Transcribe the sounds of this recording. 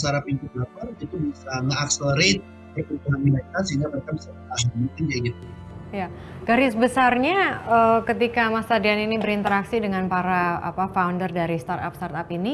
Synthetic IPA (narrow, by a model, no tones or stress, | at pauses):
əsaɾapiɲt͡ʃut̚lapanit̪ubisaŋəaksələɾet̪̚ | kut̪əabilak̪ansəiŋɡabəɾkanbisaŋaaɦmikɪnd͡ʒaiɡit̪ujaɡaɾɪsbəsarɲaəkət̪ikamast̪adianinibəɾint̪əɾaksidəŋanpaɾaa̰pafaundərdaɾist̪art̪a̰pst̪art̪apini